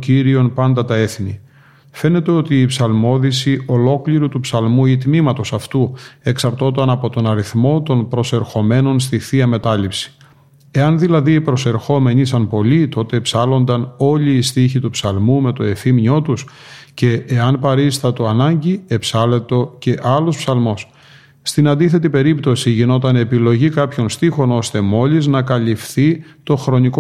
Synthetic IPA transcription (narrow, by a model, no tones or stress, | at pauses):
ciɾio̞npɐnd̪ɐt̪ɐe̞θni | fe̞ne̞t̪e̞o̞t̪iːpsɐlmo̞ðisiʔo̞lo̞kliɾut̪upsɐlmuit̪mimɐt̪o̞sɐft̪ue̞ksɐɾt̪o̞t̪ɐnɐpo̞t̪o̞nɐɾiθmo̞t̪o̞npɾo̞se̞ɾxo̞me̞no̞ns̬t̪iθiɐme̞t̪ɐlipsi̥ | e̞ɐnðilɐðiːpɾo̞se̞ɾxo̞me̞ɲisɐnpo̞lit̪o̞t̪e̞ːpsɐlo̞nd̪ɐno̞liːst̪içit̪upsɐlmume̞t̪o̞e̞fimɲo̞t̪usce̞ːɐnpɐɾist̪ɐt̪oɐnɐɲɟie̞psɐlet̪o̞ce̞ʔɐlo̞spsɐlmo̞s | st̪inɐnd̪iθe̞t̪ipe̞ɾipt̪o̞siʝino̞t̪ɐne̞pilo̞ʝikɐpço̞nst̪ixo̞no̞st̪e̞mo̞liznɐkɐlifθit̪o̞xɾo̞niko